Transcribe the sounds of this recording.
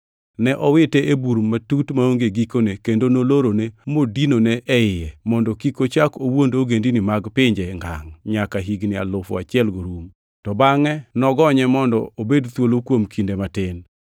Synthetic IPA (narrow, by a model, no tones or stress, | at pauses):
nɛʔɔwɪtɛʔebuɾmatutmaoŋɡeɡikonekendonoloɾonemodinonɛʔɛɪjɛmɔndɔkikot͡ʃakowondoɡendinɪmaɡpɪɲd͡ʒɛŋɡa̰ŋɲakaɦiɡnɪa̰lʊfʊ̰at͡ʃɪɛlɡoɾum | tɔbaŋɛnɔɡɔɲɛmɔndɔ̰obedt̪wolokwomkʰindematɪn